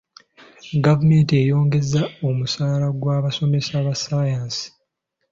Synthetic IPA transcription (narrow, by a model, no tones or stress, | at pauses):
ɡavume̞ːnte̞jo̞ːŋɡe̞zːao̞musaːlaɡwaːβaso̞me̞saβasajaːnsi̥